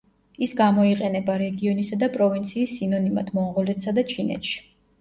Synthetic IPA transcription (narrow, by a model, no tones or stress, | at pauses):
isɡamɔiqʼɛnɛbaɾɛɡiɔnisad̪apʼɾɔvint̪sʰiːsːinɔnima̰t̪ʰmɔʁɔlɛt̪sad̪at͡ʃʰinɛ̰t̪ʃi̥